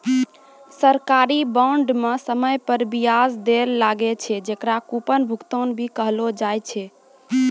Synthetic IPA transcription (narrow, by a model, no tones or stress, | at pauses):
səɾkaɾibaɳɖmesəməjpəɾbijasd̪eɾlaɡet͡ʃʰɛd͡ʒekɾakupənbʱukt̪onbʱikəɦlod͡ʒajt͡ʃʰɛ